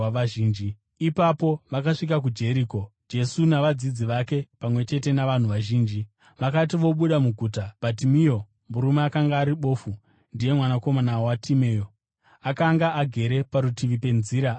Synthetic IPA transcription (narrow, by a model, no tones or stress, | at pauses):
aʒiːnd͡ʒi | ipapo̞ʋakaʂik̬ak̬ud͡ʒe̞ɾiːko̞d͡ʒe̞sunaʋad͡zid͡ziʋake̞pamwe̞t͡ʃe̞te̞naʋan̤uʋaʒiːnd͡ʒi | ʋakat̬iʋo̞ɓuɗamuɡʱuːtab̥ʱat̬imijo̞ | muɾumeakaŋɡaːɾiɓo̞ːfu | ndije̞mwanako̞manaoatʰime̞ːjo | akaŋɡaːɡʱe̞ɾe̞paɾutiʋipe̞nziːɾa